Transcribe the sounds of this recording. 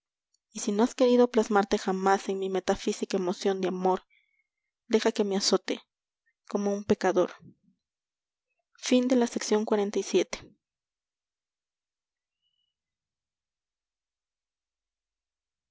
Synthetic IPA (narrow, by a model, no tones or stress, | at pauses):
isino̞aske̞ɾiðo̞plazmaɾt̪e̞xamase̞ŋmime̞t̪afisikaemo̞sjo̞nd̪eamo̞ɾ | d̪e̞xake̞measo̞t̪e̞̰ | ko̞mo̞umpe̞kaðo̞ɾ | find̪e̞lase̞ksjo̞ŋkwaɾe̞nt̪ajsje̞t̪e̥